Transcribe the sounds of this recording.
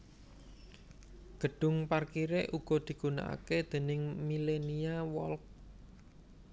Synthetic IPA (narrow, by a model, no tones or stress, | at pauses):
ɡ̥ə̤ɖ̥ʊ̤ŋparkiɾeʔuɡ̥ɔ̤d̪̥i̤ɡ̥una̰ʔa̰ked̪̥e̤nɪŋmileniawɔlk̚